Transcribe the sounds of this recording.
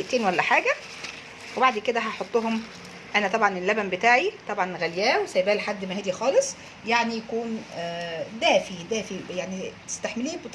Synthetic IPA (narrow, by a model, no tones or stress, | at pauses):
ʔt̪eːnwælːæħaːɡæ | webaʕd̪ked̪æɦɑħot̪ˤːoɦom | ʔænæt̪ˤɑbʕɑnelːæbænbet̪aːʕit̪ˤɑbʕɑnɣæljæːwesæjbæːlħad̪ːmæhæːd̪ixɑːlesˤ | jaʕnijækuːn | d̪æːfid̪æːfijaʕnit̪ɪ̥st̪aħmeliːbe